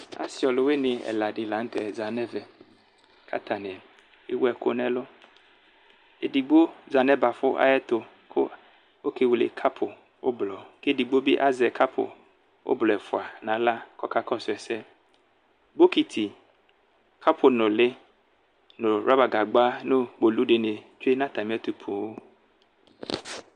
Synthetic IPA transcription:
a̰˨sɪ˨ɔ˨lʊ˨˦we˦nɪ̃˨ɛ̰˨la˨dɪ˨lã˨˦ŋ̩˦t̪ɛ˨za˨nɛ˦vɛ˨ | kʰa̰˦t̪ʰa˨nɪ̃˨ɛ˨ | e˦wu˦ɛ˨kʊ̰˦nɛ̃˦lʊ˦ | e˨di˨ɡ͡bo˦za˨nɛ˦ba˨fʊ˦ʔa̰˦jɛ˦t̪ʊ˨ | kʰʊ̰˦ | o˦ke˦wu˨lḛ˨kʰa˦pʰʊ˨ | wo̰˦blɔ˨ke˦˨di˨ɡ͡bo˦bi˦ʔa˦zɛ˨kʰa˦pʰʊ̰˨ | wʔo̰˦blɔ˨ɛ˨fʊ˨a˨nã˨˦la˦kɔ˦ka˦kɔ˦sʊ˨ɛ˨sɛ˦ | bo˦ki˨t̪ʰi˨ | kʰa˦pʰʊ˨nʊ̃˨lɪ˦ | nʊ̃˨ɾa˦ba˨ɡa˨ɡ͡ba˦nõ˦ɡ͡bo˨lu˦ɖe˨ne˨t͡ʃe˦nã˦t̪a˨m˦ɛ˦t̪u˨pʰu˨wo˦

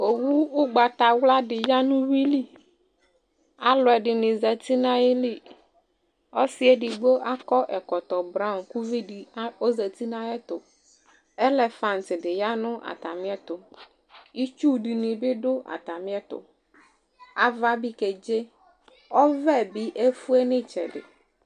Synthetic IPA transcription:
o˨wu˦ʊ˦ɡ͡ba˨t̪a˨wla˦dɪ˨ja˦nʊ̃˦wi˦li˦ | a˦lʊ˨ɛ˨ɖɪ˨nɪ̃˨zɛ˨t̪i˦nã˦ɛ˦li˦ | ɔ˦sɪ˦ɛ˦dɪ˨ɡ͡bo˦ʔa˦kɔ˦ʔɛ˨kɔ˨t̪ɔ˨bɾã˦˨mku˦vi˦di˨˦o˦zɛ˨t̪i˦nã˦ɛ˦t̪ʊ˨ | ɛ˦lɛ˨fã˨ntɪ˨dɪ˨ja˦nʊ̃˦ʔa̰˨ta˨mɪ̃˦ɛ˦t̪ʊ˨ | i˦t͡ʃu˦di˨nɪ̃˨bɪ˦dʊ˦a̰˨ta˨mɪ̃˦ɛ˦t̪ʊ̰˨ | a˨va˦bi˦kɛ˨d͡ʒe˦ | ɔ˦vɛ˦˨bi˦ʔe˦fu˦ɛ˦nɪ̃˦t͡ʃɛ˨dɪ̰˨

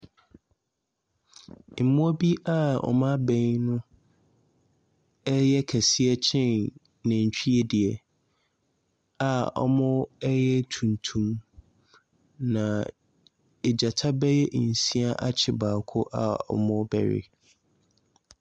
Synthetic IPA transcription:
m̩˨mʊ̃˦bi˦a˦˨ɔ̰˨mã˦bɛ̃˦ɲnʊ̃˦ | ɛ˦jɛ˦kʰæ˨si˦ɛ˦t͡ɕʰɪ̃˦˨n | nɪ̃˨ɲ̩˨t͡ɕᶣʰi˦ɛ˦di˨ɛ˨ | a˨ɔ̰˦mʊ̃˦ɛ˦jɛ˦tʰũ˨ntʰũ˦m | nã˨ | e˨d͡ʑa˨tʰa˦bɛ˦jɛ˦ʔn̩˨sĩ˦a˦ʔa˦t͡ɕʰɪ˨baː˨kʰʊ˦ʔa̰˨ɔ̰˨mʊ̃˦bɛ̰˨ɾɪ̰˦

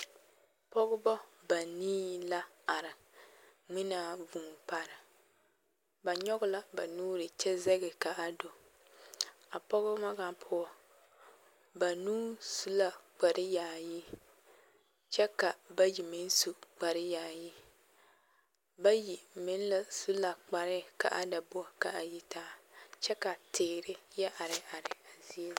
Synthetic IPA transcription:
pɔ˦ɡʊ˦bɔ˦ba˨niː˦la˦ | a˨ɾɪ˨ | ŋ͡mɪ˦na˦˨vuː˨pa˨ɾɪ˨ | ba˨ɲɔ˦ɡʊ˦la˨ba˨nuː˦ɾɪ˨t͡ʃɛ˦zɛ˦ɡɪ˨ka˨a˨do˨ | a˨pɔ˦ɣʊ˦ma˦ɡa˦pʰʊ˦ɔ˨ | ba˨nuː˦su˨la˦k͡pa˨ɾɪ˦jaː˨ji˦ | t͡ʃɛ˦ka˨ba˦ji˨mɪ˦n˦su˨k͡pa˨ɾɪ˦jaː˨ji˦ | ba˦ji˨mɪ˨˦n˦la˨su˦la˨k͡pa˨ɾɪ˦ka̰˨ʔa̰˦da˨bʊ˦a˨ka˨a˨ji˨tʰaː˦t͡ʃɛ˦ka˨tʰɪː˨ɾɪ˦jɛ˦ʔa˨ɾɪ˨a˨ɾɪ˨a˨zi˦e˦

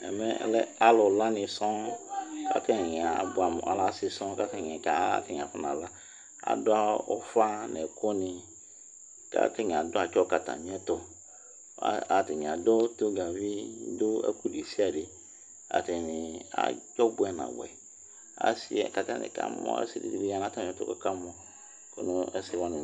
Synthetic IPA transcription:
ɛ̰˨mɛ˦˨lɛ˦a˦lʊ˨la˦nɪ̃˨sɔ̃˦ka̰˦tɛ˦˨ɲ˨a˨bʊ˨˦a˨m̰˨a̰˨˦la˨˦sɪ˨sɔ̃˦ka˦ta˦˨ɛ˨ka˨˦a̰˦tɪ˨ɲ˨a˨fa˦nã˨la˦ | a̰˨dʊ˦a˦o˦fa˦nɛ˨kʰo˦nɪ̃˨ | ka̰˦tɛ˦ɲ˨a˨dʊ˦a˨t͡ʃɔ˦ka˨ta̰˨ɲ˦ɛ˦to˦˨ | a˨tɪ˨ɲ˨a˨do˦to˦ɡa˨vi˦dʊ˦a̰˦ku˦de˨si˦a˨dɪ˨ | a̰˨tɪ˨nɪ˨a̰˦˨t͡ʃɔ˦bʊ˦ɛ˦nã̰˨wɛ̰˨ | a̰˨˦si˦ɛ˨ka˦ta˦nɪ̰˨ka̰˦mɔ̰˦ɛ̰˦sɪ˨dḭ˨di˨bi˦a˦˨na˦ta˨m̃˨˦ɛ˦tʊ̰˦kɔ˦ka˦mɔ˦ | ko˦nʊ˦ɛ˦sɪ˦wɔ̃˦nʊ̃˨

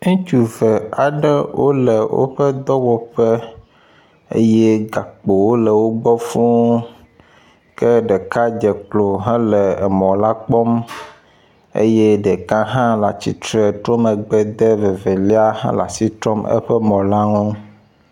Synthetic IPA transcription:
ŋũ˦t͡ʃu˨vɛ˨a˨ɖɛ˦wʔo̰˦lɛ˨wʔo̰˦ɸɛ˦d̪ɔ˦wɔ˨ɸɛ˦ | ḛ˦jɛ˦ɡa˨k͡po˨wo˦lɛ˨wo˦ɡ͡bɔ˦fũ˦ | kɛ˦ɖɛ˨ka˦d͡ʒɛ˨k͡plo˨ɦã˦lɛ˨ɛ˨mɔ̃˨la˦k͡pɔ˦m | ḛ˦jɛ˦ɖɛ˨kã˦ɦã˦la˨t͡ɕi˨t̪ɾɛ˨t̪ɾo˦mə˨ɡ͡bɛ˨d̪ɛ˦ve˨ve˨li˦a˦hã̰˦la̰˨si˦t̪ɾɔ˦mɛ̰˦ɸɛ˦mɔ̃˨la˦ŋũ˦

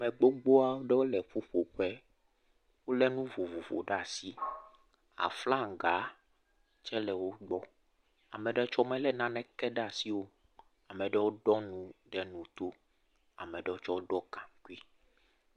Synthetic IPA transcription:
mɛ˨ɡ͡bo˦ɡ͡bo˦a˦wo˦ɖɛ˦wo˦lɛ˨ɸo˦ɸo˨ɸɛ˦ | wo˦lɛ˦nũ˦vo˨vo˨vo̰˨ɖa˦˨si˦ | a̰˨fla˦ŋ˨ɡa˨˦ | t͡ʃɛ˦lɛ˨wo˦ɡ͡bɔ˦ | a̰˨mɛ̃˨ɖɛ˦t͡ʃɔ˦mɛ̃˦lɛ˦nã˦nɛ̃˦kɛ˦ɖa˨si˦wo˦ | a˨mɛ̃˨ɖɛ˦wo˦ɖɔ˦nũ˦ɖɛ˦nũ˨t̪o˦ | a̰˨mɛ̃˨ɖɛ˦wo˦t͡ʃɔ˦wo˦ɖɔ˦kã˨ŋku˦i˦

